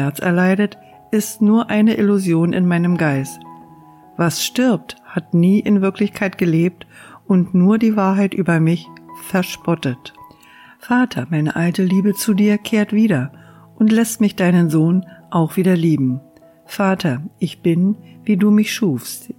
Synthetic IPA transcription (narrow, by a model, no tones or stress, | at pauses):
ɛɐt͡sɛ̰ɐlaɪdət | ʔɪstnuːɐʔaɪnəʔɪluzjoːnʔɪ̰nmaɪnəmɡaɪst | v̥asʃtɪɐp̚thatniːʔɪnvɪɐklɪçkʰaɪt̚ɡ̥əleːp̚tʔʊntnuːɐdiːvaːɐɦaɪtʔyːbɐmɪçfɛɐʃpɔtət | faːtʰɐmaɪnəʔaltəliːbət͡sudiːɐkʰeːɐtv̥iːɾɐ | ʔʊntlɛstmɪçd̥aɪnənzoːnʔaʊxv̥iːdɐliːbm̩ | faːtʰɐʔɪçb̥ɪnviːduːmɪçʃuːfst